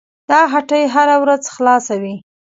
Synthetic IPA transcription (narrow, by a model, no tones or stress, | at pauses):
d̪̥ɑɦaʈəjɦaɾawɾazxlɑsawi